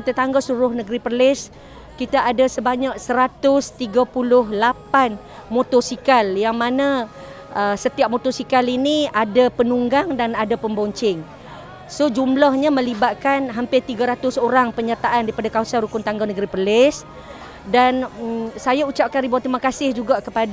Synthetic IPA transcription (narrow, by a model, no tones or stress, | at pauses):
kit̪at̪aŋɡasuɾʊhnəɡəɾipərlɪs | kit̪aʔadasəbaɲak̚səɾat̪ʊst̪iɡapulʊhlapan | mot̪ɔsikaljaŋmanã | əsət̪iap̚mot̪ɔrsikaliniadapənuŋɡaŋdanadapəmbɔɲt͡ʃɪŋ | sod͡ʒumlahɲamə̃libat̪̚kanɦampɪt̪iɡaɾat̪ʊsoɾaŋpəɲat̪aʔandaɾipadakausanɾukʊnt̪aŋɡanəɡəɾipərlɪs | dansajaut͡ʃap̚kandibaat̪ɾimakasɪhd͡ʒuɡaʔkəpada